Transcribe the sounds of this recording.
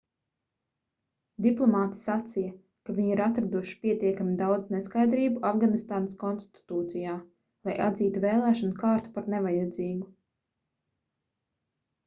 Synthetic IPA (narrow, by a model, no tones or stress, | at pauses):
d̪iplˠɔmaːt̪i̥sat̪sijɐ | kavʲiɲiɾat̪ɾad̪uʃi̥pʲiɛt̪iɛkamʲid̪awd̪zneskajd̪ɾiːbuafɡanist̪aːnaskɔnst̪t̪i̥t̪uːt̪sijaː | lˠajʔa̰d̪ziːt̪uvɛːlˠæːʃɔnukaːɾt̪u̥paɾnevajad̪ziːɡu